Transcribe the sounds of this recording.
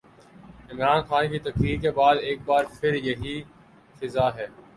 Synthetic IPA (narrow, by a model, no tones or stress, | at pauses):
ɪmɾaːnxaːnkit̪ɐkɾiːɾkebaːd̪eːk̚baːɾpʰɪɾjɐɦi | fɪzaɦɛː